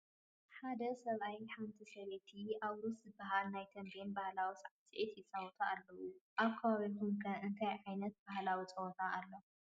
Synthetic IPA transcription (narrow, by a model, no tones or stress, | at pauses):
ħad̪ɐsɐβʔajħant̪ʰisɐβet̪ʰiʔaβɾuszɨbːɐɦalnajt̪ʰɐmbenbahlawisʼʕasʼiʕit̪jɪt͡sʼɐwɔt̪ʰaʔːlːɐwuʔaβkʰːɐβaβit̪ʰumkʰɐʔɨnt̪ʰajʕajnɐt̪̚b̥ahlawit͡sʼɐwɔt̪ʰaʔalːo